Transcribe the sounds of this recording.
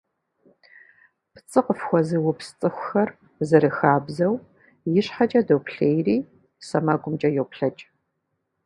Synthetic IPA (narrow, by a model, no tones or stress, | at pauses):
pʰt͡sʼɨqəfxʷɔzɨwʊpst͡sʼɨxʷʊxɐr | zɨɾɨxaːbzɐw | jɪɕħat͡ʃʼɐdowpʰɬeːjriː | sɐmaɡʷʼʊmt͡ʃʼɐjowpɬɐt͡ʃʼ